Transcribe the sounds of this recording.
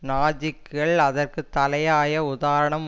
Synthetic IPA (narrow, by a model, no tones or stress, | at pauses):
naːd͡ʒɪkːɐɭɐðɐrkɯt̪ːɐlɐjaːjɐʊðaːɾɐɳɐm